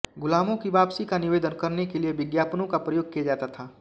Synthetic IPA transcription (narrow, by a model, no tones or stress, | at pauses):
ɡʊlaːmõkiʋaːpsikanɪʋeːd̪ənkɐɾnekelieʋɪd̪jaːpnõkapɾɐjoːɡ̚kijad͡ʒaːt̪at̪ʰaː